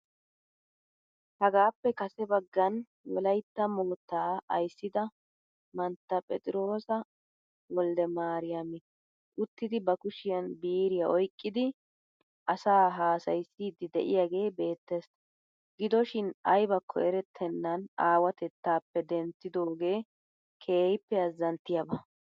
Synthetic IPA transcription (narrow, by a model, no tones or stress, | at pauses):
hɐɡaːpːɛkɐsɛbɐɡːɐn | wɔ̰lɐjt̪ːɐmoːt̪ːaːɐ̰jsːɪd̪ɐ | mɐnt̪ːɐpʼɛ̰t͡sʼɪɾo̞ːsɐ | wɔld̪ɛmaːɾɪjɐmɪ | ʔʊt̪ːɪd̪ɪbɐkʊʃɪjɐnbiːɾɪjaʔɔjkʼːɪd̪ɪ | ʔɐsaːɦaːsɐjsːiːd̪ɪd̪ɛ̰ʔɪjaɡe̞ːbe̞ːt̪ːes | ɡɪd̪ɔʃɪnɐjbɐkʰːɔ̰ɛɾɛt̪ʰːɛnːɐnaːwɐt̪ɛt̪ːaːpːɛd̪ɛntːɪd̪o̞ːɡe̞ː | kʰe̞ːjɪpːɛɐzːɐnt̪ːɪjɐbɐ